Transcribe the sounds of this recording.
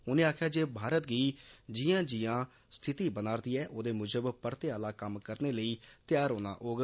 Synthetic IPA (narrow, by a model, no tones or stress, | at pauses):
ʊnẽːaːkʰjaːd͡ʒeːbʱaːɾət̪ɡiːd͡ʒɪjãːd͡ʒɪjãː | st̪ʰɪt̪iːbənaːɾd̪iːɛːʔoːd̪eːmʊd͡ʒəbpəɾt̪eːaːlaːkəmkəɾneːləiːt̪ɪjaːɾɦoːna̰ːʔoːɡ